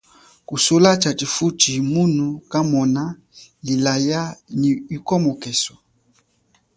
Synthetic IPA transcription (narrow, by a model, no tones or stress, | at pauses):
kusolat͡ʃatifutimunukamɔna | lilajaniikɔmɔkɛsɔ̥